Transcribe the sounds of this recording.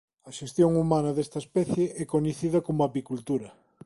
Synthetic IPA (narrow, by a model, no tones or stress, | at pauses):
ɐʃest̪joŋumanɐðest̪ɐespɛθjeʔɛkoɲeθiðɐkomʊapikult̪uɾɐ